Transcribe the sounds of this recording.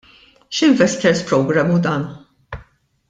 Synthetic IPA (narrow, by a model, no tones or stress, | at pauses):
ʃɪɱvɛst̪ɛɾspɾɔɡɾɐmːud̪ɐːn